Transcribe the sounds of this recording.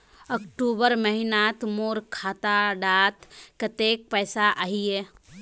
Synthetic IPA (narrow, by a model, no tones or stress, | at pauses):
əkʈuːbəɾməɦɪnaːt̪moːɾkʰaːt̪aɖaːt̪kət̪eːk̚pɛːsaʔaɦieː